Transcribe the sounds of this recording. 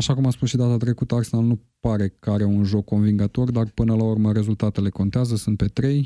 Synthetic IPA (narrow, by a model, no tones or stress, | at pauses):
aʃakumaspusʃid̪at̪at̪ɾe̞kut̪əarsenalnupaɾe̞kəaɾeunʒo̞kʰːo̞nviŋɡat̪o̞rd̪arpɨnəlaurməɾe̞zult̪at̪e̞le̞ko̞nt̪eazəsunt̪̚pe̞t̪ɾe̞j